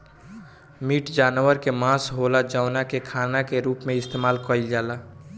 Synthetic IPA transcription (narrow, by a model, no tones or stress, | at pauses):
miʈd͡ʒaːnʋəɾkemãsɦolad͡ʒaʊnakekʰanakeɾuːpmeɪst̪emaːlkəild͡ʒala